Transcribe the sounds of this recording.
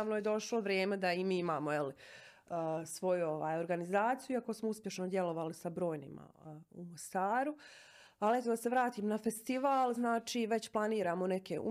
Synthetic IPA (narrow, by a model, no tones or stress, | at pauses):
ʋnojed̪o̞ʃlo̞ʋɾjeːme̞d̪aimiːimaːmoeli | sʋo̞juo̞ʋa̰ːjo̞ɾɡanizaːt̪ijuuakosmouspje̞ʃnod̪je̞lo̞ʋalisabɾo̞ːjnḭma̰umo̞st̪aːɾu | alie̞t̪od̪ase̞ʋɾaːt̪iːmnafe̞st̪iʋaːlˠznaːt͡ʃiːʋe̞t͡ɕplˠaniːɾaːmo̞ne̞keṵ